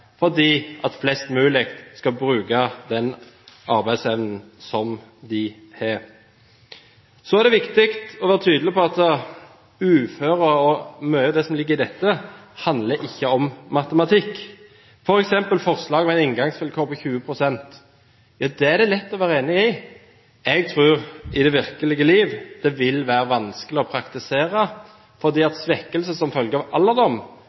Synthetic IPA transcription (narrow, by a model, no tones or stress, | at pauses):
fɔʁd̪iːʔɑt̪flɛst̪mʉːlɪkt̪skɑbɾʉːkɑd̪ɛn | ʔɑɾbæɪsɛʋnn̩sɔmd̪ɪ | hɛ | sɔæʁd̪ɛʋɪkt̪ɪkt̪ɔʋæːɾət̪ʰyːd̪lɪpɔɑt̪ːə | ʉːføːɾəɔmœʏəd̪ɛsɔmlɪɡːəʁɪd̪ɛt̪ːəhɑnd̪ləʔɪçːəɔmmɑt̪əmɑt̪ʰɪkː | fɔɾɛksɛmpəlfɔɾslɑːɡɔmɛɪnɪŋɡɑŋsfɪlkʰoːpʰɔçʉːəpʰɾʊsɛnt̪ | jɑːd̪ɛæd̪ɛlɛt̪ːɔʋæːɾəeːnɪɪ | ɛɡ̚t̪ʰʁʉːʁɪd̪ɛʋɪʁkəlɪɡəliːʋd̪̥ɛʋɪlʋæːɾəʋɑnskəlɪɔpʰɾɑkt̪ɪseːɾə | fɔʁd̪iːɑt̪sʋɛkːəlsəsɔmfœlɡəɑʋʔɑlːəd̪ɔm